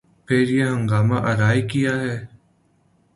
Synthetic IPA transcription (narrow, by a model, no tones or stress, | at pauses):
pʰeːɾjeːɦəŋɡaːma̰ːʔəɾaːikɪjaːɦɛː